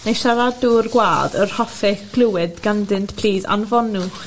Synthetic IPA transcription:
nejʃaɾaduːrɡwaːdə̰r̥hɔfɛɡ̥lˠʊwɛdɡandɪntpʰl̥iːða̰nvɔnʊχ

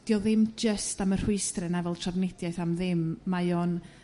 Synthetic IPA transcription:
d̥jɔðɪmd͡ʒəstamər̥ɪɨstrɛnavɛlˠtʰrɔvnɛdjajθamðɪmːajɔn

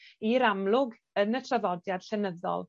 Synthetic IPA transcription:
iɾamlˠʊɡ | ənətʰravɔdjad̥ɬɛnəðɔ̰lˠ

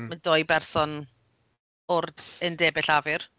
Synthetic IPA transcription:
mədojbɛrsɔn | ʊrəndɛːbɪɬavɪr

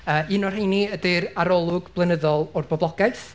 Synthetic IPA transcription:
əːɨnɔr̥ejniədɪɾaɾɔlˠʊɡblˠənəðɔlˠɔrbɔblˠɔɡ̥ajθ

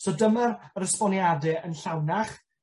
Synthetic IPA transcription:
sodəmarɾəspɔnjadɨənɬawnaχ

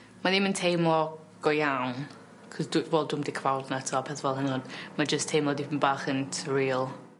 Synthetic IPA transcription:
maðɪməntʰejmɔ | ɡ̥ɔjawn | kʰɔsdʊvɔːlˠdʊmdikʰvawˠdnatʰɔpʰɛθvɛlˠhənɔd̥mad͡ʒəstʰejmɔdipʰənbaːχəntʰriːlˠ

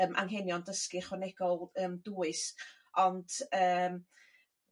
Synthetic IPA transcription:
əːmʔa̰ŋɦɛnjɔndəskɨχwɛnɛɡ̥ɔlˠəːmduːɨs | ɔnd̥əːm

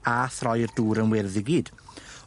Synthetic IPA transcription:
aθrɔjrduːɾənwɛrðɪɡid̥

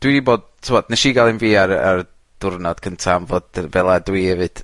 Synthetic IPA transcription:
d̥widiboːd̥̚tʰɪmɔd̥nɛʃiːɡalˠɪnviːara̰r | d̥ʊrnɔd̥kʰəntʰamvoːdvɛlˠadwiɛvɨd̥

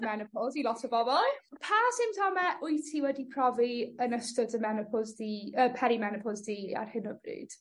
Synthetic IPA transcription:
mɛnɪpʰɔlˠzilɔtʰəvɔbɔlˠpʰaːsɪmtʰɔmɛʔʊɨjtʰiwɛdipʰr̥ɔviənəstɔdəmɛnɔpʰɔzdiːəpʰɛɾimɛnɔpʰɔzdiːa̰rhɪnəbrɨ̰ːd̥

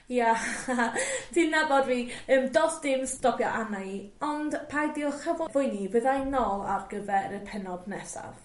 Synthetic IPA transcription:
ja | tʰinabɔdviːəːmdɔsd̥ɪmstɔpʰjɔʔanaiɔnd̥pʰajdiɔχavɔvʊjnivəðajnɔlˠa̰rɡəvɛɾəpʰɛnɔdnɛsa̰v

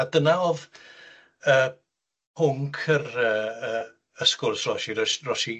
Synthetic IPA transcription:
adənaɔv | əː | pʰʊŋkʰərəːəː | əskʊrsrɔʃiɾɔrɔʃi

